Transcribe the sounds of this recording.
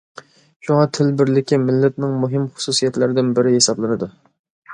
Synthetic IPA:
ʃuŋɑt̪ʰɪlbɪɾlɪkʲʰimɪlːɛt̪nɪŋmuɦɪmχʊ̥susijɛt̪læɾɪd̪ɪnbɪɾɪɦesɑblˠɨnɨd̪u

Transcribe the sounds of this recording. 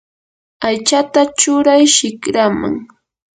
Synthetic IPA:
ajt͡ʃat̪at͡ʃʊɾajʃɪkɾama̰ŋ

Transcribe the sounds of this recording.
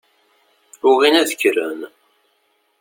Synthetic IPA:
ɾʊʁinæðəçɾən

